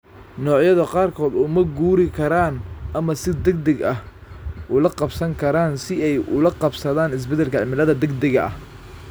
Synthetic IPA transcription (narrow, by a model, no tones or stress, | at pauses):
nɔːʕjɐðɐqɑːrkʰɔːd̪ʊmɐɡuːɾɪkʰɐɾaːnɐmɐsɪd̪ɐɡ̚d̪ɐɡɐhʔʊlɐqɑbsɐŋkʰɐɾaːnsɪɛjʔʊ̰lɐqɑbsɐðaːnɪs̬bɛd̪ɛlkʰɐʕɪmɪlɐðɐd̪ɐɡd̪ɐɣɐʔɐ̰h